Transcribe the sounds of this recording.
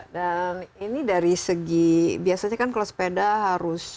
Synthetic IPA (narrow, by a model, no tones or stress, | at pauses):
daninidaɾisəɡibiasaɲakankalasə̥pedaɦaɾʊs